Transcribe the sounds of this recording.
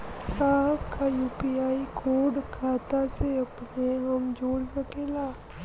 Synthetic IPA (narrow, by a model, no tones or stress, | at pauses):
saːɦəbkajuːpiaːikʰoːɾɖkʰaːt̪aseɐpneɦɐmd͡ʒoːɽsɐkeːlaː